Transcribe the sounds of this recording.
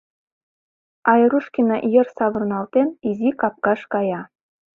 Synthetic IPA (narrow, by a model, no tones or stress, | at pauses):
ɑjɾuʃkʲinɑʔjɤ̆rsɑβɤ̆rnɑlˠt̪enizikɑp̚kɑʃkɑjɑ